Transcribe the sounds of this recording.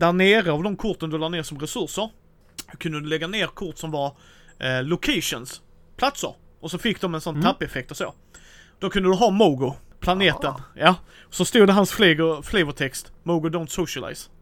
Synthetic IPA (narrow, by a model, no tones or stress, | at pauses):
d̪æneːɾəavd̪ɔmkʰʊɾt̪ənad̪ɵlɑːneːɾsɔmɾɛsɵɾʂəɾ | kʰɵnd̪əd̪ɵlɛɡːaneːɾkʰʊɾʈ̪sɔmvaɾ | lʊkʰeɪʂɔns | pʰlat̪sə̰ɾ | ɔsɔfɪk̚ːd̪ɔmɛnsɔnt̪ʰapːɛfɛk̚t̪ɔso̰ː | d̪̥ɔkʰɵnd̪əd̪ɵɦɑːmoːɡʊpʰlaneːt̪ənjɑː | ɔsɔst̪uːd̪əɦansflɛɡʊflɛvət̪ʰɛkst̪moːɡʊd̪ɔʊnt̪sɔʂala̰ɪs